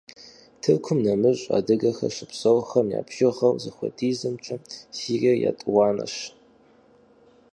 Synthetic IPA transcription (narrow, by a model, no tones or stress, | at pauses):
tʰɨrkʷʰʊmnɐmɨɕʷʼa̰dɨɡɐxɐ̰ʃɨpʰsɐwxɐnja̰ːpʰʒɪʁɐwzɨxʷɐ̰dʰiːzɨmt͡ʃʷʰʼɐmsiːriɐja̰tʼwɑːnɐ̰ʃ